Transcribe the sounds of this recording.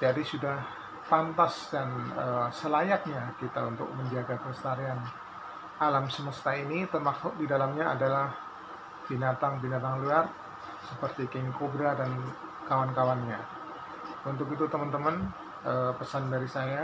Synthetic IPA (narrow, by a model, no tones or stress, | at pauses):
d͡ʒadisudah | pant̪asdanəsəlajak̚ɲakit̪aunt̪ʊ̰k̚məɲd͡ʒaɡakəst̪aɾian | ʔalamsəməst̪ainit̪ərmaksʊk̚didalamɲaa̰dalah | b̥inat̪aŋbinat̪aŋluar | səpərt̪ikɪŋkobɾadan | kawankawanɲa | unt̪ʊkit̪ut̪əmənt̪əmən | əːpəsandaɾisaja